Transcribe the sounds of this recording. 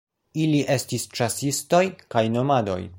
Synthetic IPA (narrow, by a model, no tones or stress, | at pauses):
iliʔe̞stist͡ʃasisto̞jkajno̞mado̞̰j